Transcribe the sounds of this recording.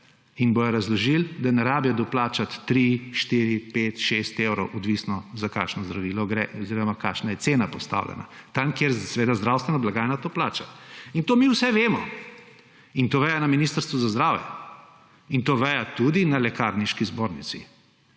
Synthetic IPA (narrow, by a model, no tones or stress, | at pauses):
inbojɔɾɐzlɔʒild̪anɛɾaːbjad̪ɔplaːt͡ʃat̪ːɾiʃt̪iːɾipeːt̪ʃest̪ewɾɔwʔɔd̪ʋisnɔzaka̰ːʃnɔzd̪ɾaʋiːlɔɡɾɛːɔziːɾɔmakaːʃnajɛt̪seːnapɔst̪a̰wlʔɛ̰na̰t̪amkjeɾsɛʋeːd̪azd̪ɾawst̪ʋɛnɔblaɡaːjnat̪oːplaːt͡ʃaint̪oːmiwsɛʋeːmɔ | int̪oːʋɛjanaminiːst̪əɾst̪ʋuzazd̪ɾaːwjɛ̰ | int̪oːʋɛjat̪ud̪inalɛkaɾniʃkizboɾnisḭ